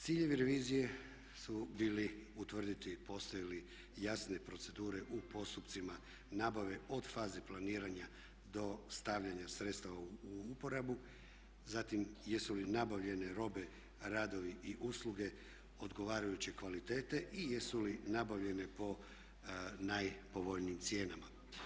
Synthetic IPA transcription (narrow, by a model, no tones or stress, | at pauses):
t̪siːʎe̞ʋiɾe̞ʋiːzije̞ | subiːliut̪ʋr̩d̪it̪ipo̞st̪ojili | jasne̞pɾo̞t̪se̞d̪uːɾe̞ʔupo̞st̪upt̪sima | naːbaʋe̞o̞d̪faːzeplˠaniːɾaɲa | d̪o̞st̪aʋʎaɲasɾe̞t̪st̪aʋaupo̞ɾabu | zat̪imje̞sulinabaʋʎe̞ne̞ɾo̞be̞ | ɾaːd̪o̞ʋiʔiʔuslˠuɡe̞ | o̞d̪ɡo̞ʋaːɾajut͡ɕe̞kʋalit̪e̞ːt̪e̞ʔijesulinabaʋʎe̞ne̞po̞ | najpo̞ʋo̞ʎniːmt̪sje̞ːnama